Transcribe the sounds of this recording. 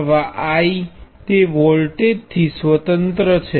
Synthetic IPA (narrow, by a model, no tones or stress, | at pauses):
ʋaʔait̪eʋɔlʈeɖ̚t̪ʰisʋət̪ənt̪ɾət͡ʃʰe